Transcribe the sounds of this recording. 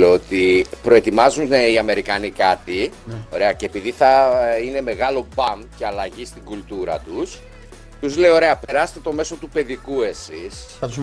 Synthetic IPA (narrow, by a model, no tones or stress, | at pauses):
oot̪ipɾo̞e̞t̪imɐzuneiɐme̞ɾikɐnikɐt̪io̞ɾe̞ɐce̞epiðiθɐine̞me̞ɣɐlo̞bɐmce̞ɐlɐʝist̪iɡult̪uɾɐ̰t̪us | t̪uzle̞jo̞ɾe̞ɐpe̞ɾɐse̥t̪et̪o̞me̞so̞t̪upe̞ðikue̞sis | ɐt̪u